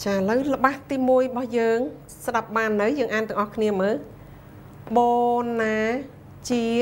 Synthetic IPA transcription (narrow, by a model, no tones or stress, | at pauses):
t͡ɕaːʔələwlə̆ɓaːht̪iːmuəjrəɓɑhjəːŋ | sɗap̚ɓaːnːɨwjəːŋʔaːnt̪ɨəŋʔɑhkʰniəməːl | ɓoːnaː | t͡ɕiə